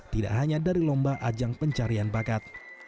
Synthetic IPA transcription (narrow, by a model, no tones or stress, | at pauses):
t̪ida̰ʔhaɲadaɾilɔmbaʔad͡ʒaŋpəɲt͡ʃaɾianbakat̪̚